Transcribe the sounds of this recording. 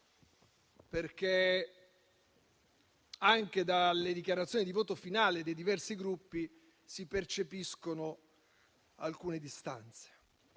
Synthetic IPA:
perke | aŋk̟ed̪aled̪ikjaɾat̪sjoːnid̪ivoːt̪ofinaːled̪ejd̪ivɛrsiɡɾupːi | sipert͡ʃepiskono | alkuːned̪ist̪a̰nt̪se̥

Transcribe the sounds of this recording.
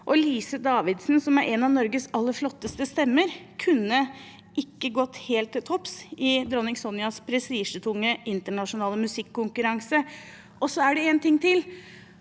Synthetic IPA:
ʔɔliːsəd̪ɑːʋɪd̪snsɔmæɾʔɛnɑʋnɔɾɡəsɑlːəɾflɔt̪ːəst̪əst̪ɛmːəɾkʰʉnːə | ʔɪkːəɡɔt̪ːheːlt̪ʰːɛt̪ʰɔpsɪd̪ɾɔnɪŋsɔnɪɑspʰɾɛst̪iːʂət̪ʰʊŋːəʔɪnt̪əɳɑʂʊnɑːləmʉsɪkʰːʊŋkʉɾɑŋsə | ʔɔsːɔæɖɛent̪ɪŋːt̪ɪl

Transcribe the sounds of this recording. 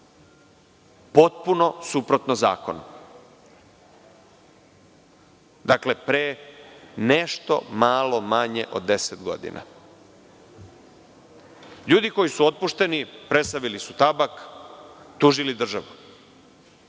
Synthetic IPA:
po̞t̪̚puno̞supɾo̞t̪noza̰ːko̞n | d̪akle̞pɾe | neʃt̪o̞̰maːlo̞maɲeʔo̞̰d̪ːe̞set̪ɡo̞̰d̪ḭnʔa̰ | ʎuːd̪iko̞jisuo̞t̪̚puʃt̪e̞nipɾe̞st̪aʋilisut̪abak | t̪uːʒilid̪r̩ʒaʋu

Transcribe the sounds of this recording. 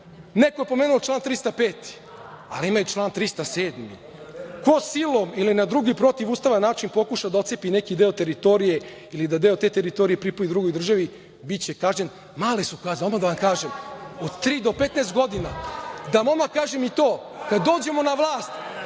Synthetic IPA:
nekoepo̞meːnuot͡ʃlˠaːnt̪ɾist̪apeːt̪i̥ | a̰liimajut͡ʃlˠaːnt̪ɾist̪aseːd̪mḭ | kosilˠomilinad̪ɾuɡipɾo̞t̪iʋuːst̪aʋanːaːt͡ʃinpo̞kuʃad̪ao̞t̪sepinekid̪eo̞t̪e̞ɾit̪o̞ɾije̞ | ilid̪ad̪e̞o̞t̪e̞ːt̪eɾit̪oɾijepɾipuid̪ɾuɡojd̪r̩ʒaʋi | bit̪t͡ɕekaːʒɲen | maːlesukaːzomad̪aʋamkaːʒemod̪t̪ɾiːd̪o̞pet̪neːst̪ɡo̞d̪inad̪amo̞makaːʒemit̪o̞ːkad̪ːo̞ːd͡ʑe̞mo̞naʋlˠaːst̪

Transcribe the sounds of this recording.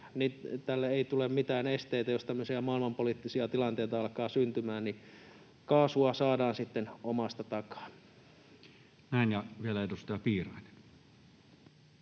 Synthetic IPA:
nit̪ælːeeit̪ulemmit̪æːnest̪eit̪æjost̪æmːøsiæmɑilmɑmpolit̪ːisiɑt̪ilɑnt̪eit̪ɑɑlkɑːsynt̪ymæːnni | kɑːsuɑsɑːdɑːnsit̪ːenomɑst̪ɑt̪ɑkɑ̥ː | næˑinjɑʋielæeˑet̪ust̪ɑɑpiːrɑˑine̥n

